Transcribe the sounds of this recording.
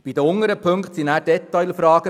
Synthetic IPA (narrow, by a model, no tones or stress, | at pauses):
b̥id̪əʊŋəɾəpʰɵŋktsinæːɾdɛt̪aɪlfɾɑːɡ̥ə